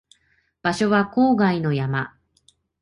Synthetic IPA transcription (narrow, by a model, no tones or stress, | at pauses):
b̥aɕo̞βako̞ːɡaino̞jama